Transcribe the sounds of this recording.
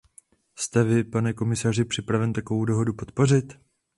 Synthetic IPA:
st̪ɛvɪpanɛko̞mɪsar̝ɪpr̝̥ɪpɾavɛnt̪ako̞vowdo̞ɦo̞dupo̞t̪po̞r̝ɪt̪

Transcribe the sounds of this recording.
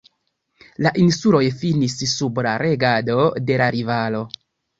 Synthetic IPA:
laʔinsulo̞jfinissublaɾe̞ɡado̞de̞laɾivalo̞

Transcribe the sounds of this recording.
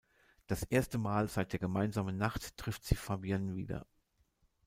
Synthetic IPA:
d̥asʔeːɐstəmaːlzaɪt̚d̥eːɐɡəmaɪnzaːmənːaχtːʁ̥ɪftz̥iːfaːbianvḭːdɐ̰

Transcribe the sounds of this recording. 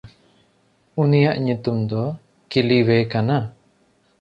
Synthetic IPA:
unijaʔɲut̪umd̪ɔ | kiliwekana

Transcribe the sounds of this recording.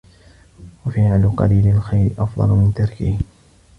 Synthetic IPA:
wafiʕalʊqɑ̰liːlalxajɾɪʔɑfd̪ˤɑ̰lmɪnt̪ɑɾˤkɪh

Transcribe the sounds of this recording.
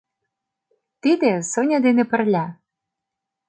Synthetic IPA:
t̪id̪ĕsonʲɑd̪enĕpə̆rlʲæ

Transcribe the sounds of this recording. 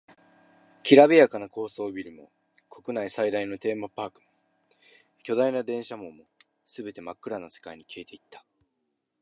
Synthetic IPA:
kʲiɾabʲiakanako̞ːso̞ːbʲiɾɯ̟mo̞̰ | kʰo̞kɯ̟naisaid̪aino̞t̪e̞ːmapaːkɯ̟̥mo | kʲo̞d̪ainad̪ẽ̞ɰ̃ɕamõ̞mːo̞ | sɨbe̞t̪e̞makːɯ̟ɾano̞se̞̥kaiɲ̟ikʲiːt̪e̞it̪ːḁ

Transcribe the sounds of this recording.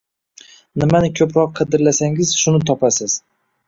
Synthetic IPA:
nɪmanɪkʲʰɵpɾɒqːʰɨd̪ɪɾlasaŋɪzʃʊnɪt̪ʰɒpʰasɪz̥

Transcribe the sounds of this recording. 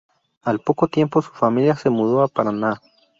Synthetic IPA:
alpo̞ko̞t̪je̞mpo̞su̥familjase̞muðoapaɾana

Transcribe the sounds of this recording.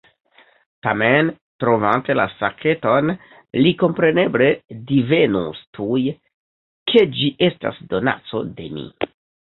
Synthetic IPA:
tame̞n | tɾo̞vante̞la̰sakʰe̞to̞n | liko̞mpɾe̞ne̞ble̞dive̞nustʰuj | kʰe̞d͡ʒiʔe̞sta̰sdo̞na̰t͡so̞de̞mḭ

